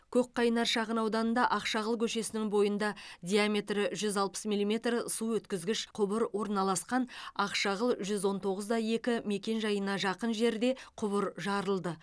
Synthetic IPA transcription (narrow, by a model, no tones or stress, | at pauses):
kʲʰɵk̚qʰːɑjnɑɾʃɑʁənɑwd̪ɑnənd̪ɑʔɑqʃɑʁəlˠkʲʰɵʃe̞sɪnɪŋbo̞jənd̪ɑd̪ʲijamʲe̞t̪rɪʒʏzɑlˠpə̥smilˠime̞t̪rsuwɵt̪kʲɪzɡʲɪʃqʰʊbəɾwo̞ɾnɑlˠɑsqɑnɑqʃɑʁəlˠʒʏzwo̞nt̪ʰo̞ʁəzd̪ɑje̞kʲɪme̞kʲe̞nʒɑjənɑʒɑqənʒe̞ɾd̪e̞qʰʊβəɾʒɑɾəlˠd̪ə